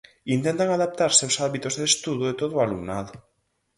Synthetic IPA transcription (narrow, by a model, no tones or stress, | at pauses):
int̪ẽnt̪aŋaðap̚t̪aɾseosaβit̪ozðest̪uðoet̪oðoalumnaðo